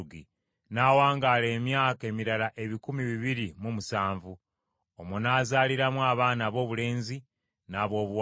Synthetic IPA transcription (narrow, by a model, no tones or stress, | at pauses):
ɡi | naːwaːŋɡaːle̞ːmjaːke̞miɾalaʔe̞βikumiβiβiɾimumusaːɱvu | omonaːzaːliɾamwaːβaːnaβo̞ːβule̞ːnzi | naːβo̞ːβw